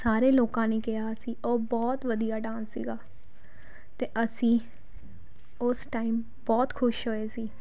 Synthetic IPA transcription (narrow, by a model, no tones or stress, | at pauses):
saːɾeːloːkãːneːkɪɦaːsĩːoːbɔːt̪ʋəd̪ijaːɖãːnsːḭːɡaː | t̪eːʔəsĩː | ʊsʈaːim | bɔːt̪kʰʊʃɦoeːsiː